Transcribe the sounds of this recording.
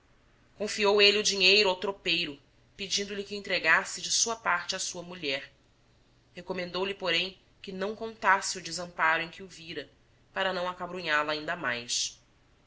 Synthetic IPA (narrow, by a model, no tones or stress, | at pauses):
kõfiowelɪʊd͡ʒiɲejɾʊawt̪ɾopejɾʊ | pɪd͡ʒĩnd̪ʊlɪkɪẽnt̪ɾeɡasɪd͡ʒɪsuɐpaɾt͡ʃɪɐsuɐmuʎɛɾ | hekomẽnd̪owlɪpoɾẽj̃ | kɪnɐ̃w̃kõnt̪asɪʊd͡ʒɪzɐ̃mpaɾʊẽj̃kɪʊviɾɐ | paɾɐnɐ̃w̃akabɾuɲalɐaĩnd̪ɐmajs